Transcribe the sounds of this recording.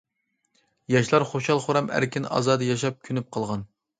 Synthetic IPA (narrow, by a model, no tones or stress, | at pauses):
jɑʃlˠɑɾχoʃɑlˠχoɾɑmæ̰ɾkʲʰinɑ̰zɑːd̪ɨjɑʃɑp̚kʲʰynyp̚qʰɑlˠʁɑn